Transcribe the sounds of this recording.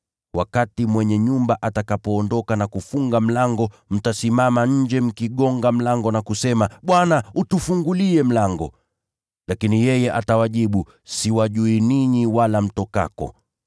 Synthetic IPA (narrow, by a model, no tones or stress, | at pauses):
wakatimwɛɲɛɲumbaʔatakapɔːndɔkanakufuŋɡam̩laŋɡɔ | m̩tasimamaɲ̩d͡ʒɛm̩kiɠɔŋɡam̩laŋɡɔnakusɛmaɓwanautufuŋɡuliɛm̩laŋɡɔ̰ | lakinijɛjɛʔatawaʄiɓu | siwaʄuiniɲiwalam̩tɔka̰kɔ̰